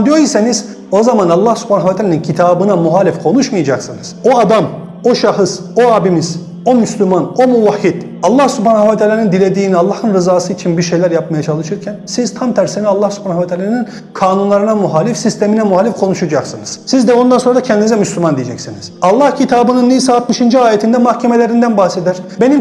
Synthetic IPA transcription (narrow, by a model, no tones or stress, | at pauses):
d̪ijoɾjiseniz | o̞zamanɑlˠːahsy̥pʰhanavat̪ʰalʲenincʰit̪ʰaːbɯnamuɦaːlʲifkʰo̞nuʃmɯjad͡ʒaksɯnɯz̥o̞ad̪am | o̞ʃaxɯs | o̞aːbimiz̥ | o̞myslʲymano̞muvahːid̪̥ | ɑlˠːahsyphaːnahvat̪ʰaːlʲanind̪ilʲe̞d̪iːnialˠːahɯnɾɯzaːsɯit͡ʃʰinbiɾʃe̞jlʲæɾjap̚majat͡ʃʰalˠɯʃɯɾcʰænsizt̪ʰamt̪ʰæɾsinialˠːahsy̥pʰaːnavɛt̪ʰaːlʲanin | kʰaːnunlˠaɾɯnamuɦaːlʲifsist̪ʰe̞minɛmuɦaːlʲifkʰo̞nuʃad͡ʒaksɯnɯz̥sizd̪ɛo̞nd̪anso̞ɾdacʰɛnd̪inizɛmyslʲymand̪ijed͡ʒɛcsiniz̥ɑlˠːɑhcʰit̪ʰaːbɯnɯnːisaːt̪mɯʃind͡ʒiaːjet̪ʰind̪ɛmahcʰeme̞lʲe̞ɾind̪ænbahse̞d̪æɾ̥be̞nim